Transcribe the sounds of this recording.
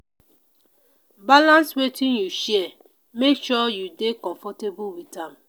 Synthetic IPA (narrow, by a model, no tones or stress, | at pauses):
balãnswetĩnjuʃɛ | mekʃɔjudekɔ̃ɱfɔtebuwitam̩